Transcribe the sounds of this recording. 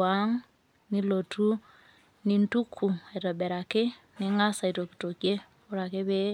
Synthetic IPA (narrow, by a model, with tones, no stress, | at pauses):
a˦ŋ | ni˦lo˨tʰu˦ | ni˦ntu˦kʰːu˨a˨tɔ˨bɛ˨ɾa˨ke˦ | ni˦ŋa˦sa˨i˨to˨ki̥˨to˨kje˦ | o˦ɾa˨ke˦βe˦